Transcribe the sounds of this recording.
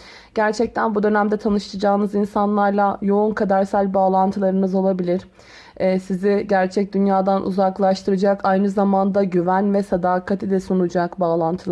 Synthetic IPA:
ɟ̥æɾt͡ʃʰɛc̚t̪ʰænbud̪ø̞næmd̪ɛt̪ʰanɯʃt̪ʰad͡ʒaːɯnɯzinsanlˠaɾlˠajo̞unkʰad̪aɾsælʲbaːlˠant̪ʰɯlˠaɾɯnɯzo̞lˠabilʲiɾ̥ | ɛsizɪɟæɾt͡ʃʰɛc̚d̪ynjaːd̪anʔṵzaklˠaʃt̪ʰɯɾɯd͡ʒakʰajnɯzamand̪aɟyvænvɛsad̪aːkʰat̪ʰid̪ɛsunud͡ʒakbaːlˠant̪ʰɯlˠ

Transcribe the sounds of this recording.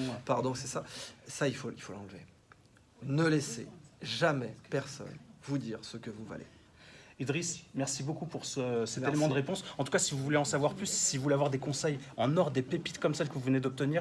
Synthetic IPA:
paʁd̪ɔ̃sɛsasailfoilfolɑ̃lvḛ | nəleseʒamɛpɛʁsɔ̰nvud̪iʁsəkəvuva̰lḛ | id̪ʁismɛʁsibokupuʁsəsɛt̪eleemɑ̃d̪əʁepɔ̃sɑ̃t̪u̥kasivuvuleɑ̃savwaʁplysːilvulɛavwaʁd̪ekɔ̃sɛjɑ̃nɔʁd̪epepi̥t̪kɔmsɛlkəvuvəned̪ɔp̚t̪əniːʁ

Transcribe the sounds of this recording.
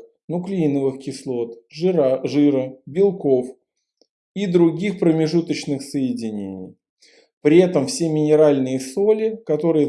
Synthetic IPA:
nʊklʲinəvɨxkʲɪslˠo̞t̪ | ʐɨɾəbʲɪlˠko̞f | id̪ɾʊɡʲixpɾəmʲɪʐut̪ət͡ɕnɨxsəjɪdʲɪnʲḛnʲɪ̰j | pɾʲɪɛt̪əmfsʲemʲɪnʲɪɾalʲnɨjəsolʲɪkɐt̪o̞ɾɨjə

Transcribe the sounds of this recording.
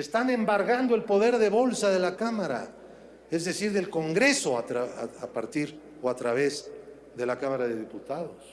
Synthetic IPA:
est̪ane̞mbaɾɣand̪oe̞lpo̞ðe̞ɾðe̞βo̞lsaðe̞lakamaɾa̰ | ezðe̞siɾðe̞lko̞ŋɡɾe̞so̞at̪ɾaaapaɾt̪iɾ | oat̪ɾaβe̞z | ðe̞lakamaɾaðeðiput̪aðos

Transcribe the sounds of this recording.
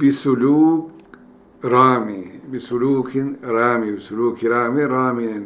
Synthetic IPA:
bɪsʊluːk | ɾɑːmibɪsʊluːknɾˤɑːmibɪsʊluːkiɾˤaːmiɾˤaːminn

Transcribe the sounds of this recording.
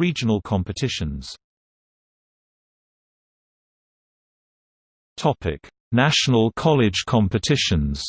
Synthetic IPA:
iːd͡ʒənəlˠkʰɒ̃mpɪtʰɪʃə̃nz̥ | tʰɒpʰɪ̰k | naʃənəlˠkʰɒlɪdʒ̥kʰɒ̃mpɪtʰɪʃə̃nz̥

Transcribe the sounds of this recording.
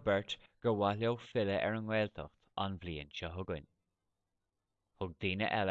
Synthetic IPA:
bɛɹt̪ɡ̥əwalʲowfɪləʔɛ̰ɹəŋwɛːlt̪ʰə̰xt̪anvliːənʃəɦʊɡən | hʊɡ̚d̪iːnə̰ʔɛl

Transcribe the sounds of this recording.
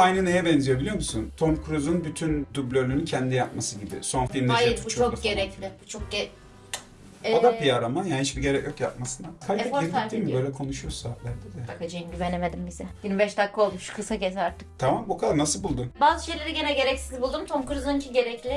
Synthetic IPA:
ajnɯne̞jɛbɛnzijebilʲijo̞musunt̪ʰo̞mkʰuɾuzunbyt̪ʰynd̪ublʲølʲynyncʰɛnd̪ijap̚masɯɟibɪ̰so̞nfilʲimd̪ɛajɾut͡ʃt͡ʃʰokɟeɾɛclʲɪbt͡ʃʰok̚ɟe | od̪apijaɾamanjanihit͡ʃʃbiɟe̞ɾɛcjo̞kja̰p̚masɯnakʰajeiːmibø̞jlʲɛkʰo̞nuʃujosaːlʲæɾd̪ɛd̪ɛakad͡ʒejinɟʲyvenemed̪imbizɛjiɾmbɛʃt̪akːao̞lˠmuʃkʰɯsacesaɾt̪ʰɯ̥kt̪ʰamambukʰad̪aɾnasɯlˠbulˠd̪umbaːzɯʃejlʲe̞ɾiɟe̞nɛɟe̞ɾɛcsizʲbulˠd̪umt̪ʰo̞mkuɾuzuncʰiɟe̞ɾɛclʲɪ

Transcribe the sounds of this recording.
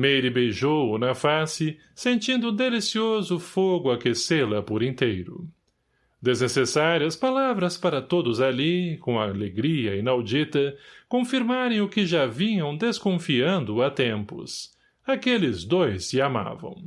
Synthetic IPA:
mejɾɪbejʒownɐfasɪ | sẽnt͡ʃĩnd̪ʊd̪elisiozʊfoɡʊakeselɐpʊɾẽnt̪ejɾʊ̰ | d̪eznesesaɾiɐspalavɾɐspaɾɐt̪od̪ʊzalikõɐleɡɾiɐinawd͡ʒit̪ɐkõfiɾmaɾẽj̃ʊkɪʒavĩɲɐ̃w̃d̪eskõfiɐ̃nd̪ʊɐt̪ẽmpʊ̰s | akelɪzd̪ojsːɪama̰vɐ̰̃w̃

